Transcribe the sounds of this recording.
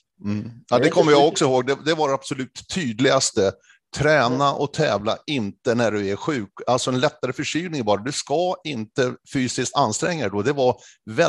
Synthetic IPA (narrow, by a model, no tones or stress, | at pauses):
m̩ːad̪ɛkʰɔmːəɾjaɡɔksɔhoːɡ̚d̪ɛd̪ɛvaɾab̥sɔlʉ̟ːt̪ʰːyːd̪lɪɡast̪ə | t̪ʰɾɛːnaʔɔt̪ʰɛːvla̰ɪnt̪ənæɖɵæɾɧʉ̟ːkalt̪sɔɛnlɛt̪ːaɾəfœʂyːnɪŋbɑːɾad̪ɵskaɪnt̪əfyːsɪskt̪anːst̪ɾɛŋːaɛd̪ɔd̪ɛvaɾvɛ